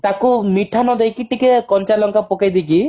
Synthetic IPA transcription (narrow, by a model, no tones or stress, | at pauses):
t̪akumiʈʰanɔd̪ejkiʈikekɔnt͡ʃalɔŋkapɔkajd̪iki